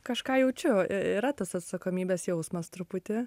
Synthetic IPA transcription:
kɐʃkɑːjɛʊt͡ʃʲʊiɾɐt̪ɐsɐt̪sɐkoːmʲiːbʲɛːsjɛʊsmɐst̪ɾʊpʊt̪ʲɪ

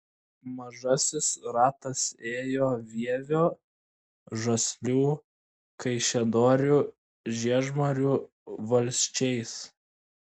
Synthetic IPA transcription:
mɐʒɐsʲɪsɾɑːt̪ɐseːjoːʋʲiɛʋʲoː | ʒɐsʲlʲuː | kɐɪʃʲɛd̪oːɾʲuː | ʒʲiɛʒmɐɾʲuː | ʋɐlʲsʲt͡ʃʲɛɪs

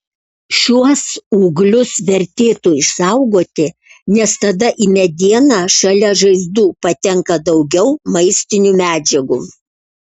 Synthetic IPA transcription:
ʃʲuɔsuːɡlʲʊsʋʲɛɾʲt̪ʲeːt̪uːɪʃsɐʊɡoːt̪ʲɪnʲɛst̪ɐd̪ɐʔimʲɛd̪ʲiɛnɑʃɐlʲɛʒɐɪzd̪uːpɐt̪ʲɛŋkɐd̪ɒʊɡʲɛʊmɐɪsʲt̪ʲɪnʲumʲæːd͡ʒʲɛɡuː

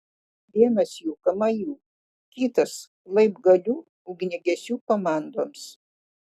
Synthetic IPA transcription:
ʋʲiɛnɐsjuːkɐmɐjuː | kʲiːt̪ɐs | lˠɐɪbɡɐlʲuː | ʊɡnʲɛɡʲɛsʲuːkomɑːˑnd̪oːms

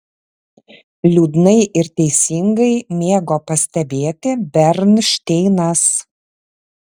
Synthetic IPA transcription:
lʲuːd̪nɐɪʔɪɾt̪ʲɛɪsʲɪŋɡɐɪmʲeːɡoːpɐsʲt̪ʲɛbʲeːt̪ʲɪbʲɛɾnʃʲt̪ʲɛɪnɐs

